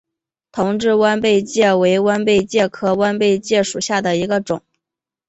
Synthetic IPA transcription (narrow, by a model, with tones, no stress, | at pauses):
t̪ʰʊ˧˥ŋʈ͡ʂɻ̩˥˧wa˥npe˥˧ɪt͡ɕjɛ˥˩we˧˥ɪwa˥npe˥˧ɪt͡ɕjɛ˥˩kʰɤ˥wa˥npe˥˧ɪt͡ɕjɛ˥˩ʂu˨˩ɕja˥˩d̪ə˩i˧˥ɡə˧ʈ͡ʂʊ˨˩˦ŋ